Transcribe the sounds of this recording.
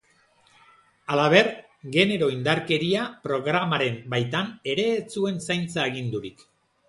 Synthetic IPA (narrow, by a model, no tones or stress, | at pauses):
alaβe̞ɾ | ɡe̞ne̞ɾo̞ind̪aɾke̞ɾiapɾo̞ɣɾamaɾe̞mbajt̪ane̞ɾe̞ːt͡sue̞nsajnt͡saeɣind̪uɾik